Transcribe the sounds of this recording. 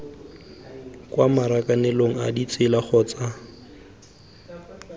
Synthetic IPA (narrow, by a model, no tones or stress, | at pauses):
kwamaɾakʼanɛloŋ̩adit͡sʼɪlaχɔːt͡sa